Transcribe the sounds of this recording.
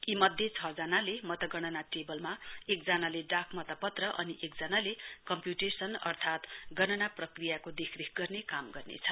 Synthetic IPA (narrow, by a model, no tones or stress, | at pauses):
imʌd̪ʱːjet͡sʰʌd͡zanalemʌt̪ʌɡʌnʌnaʈebʌlmaekd͡zanaleɖakʰmʌt̪ʌpʌt̪rʌʔʌniʔekd͡zanalekʌmpjuʈesʌnʌ̰rt̪ʰat̪ɡʌnʌnaprʌkrijakod̪ekʰrekʰɡʌrnekamɡʌrnḛt͡sʰʌ